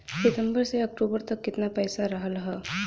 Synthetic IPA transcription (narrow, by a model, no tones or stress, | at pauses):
sɪt̪əmbəɾseək̚ʈuːbəɾt̪əkːɪt̪napəjsaɾəɦəlɦə